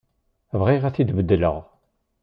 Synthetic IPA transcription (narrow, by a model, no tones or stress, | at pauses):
vʁiʁæθid̪bəd̪ːələ̰ʁ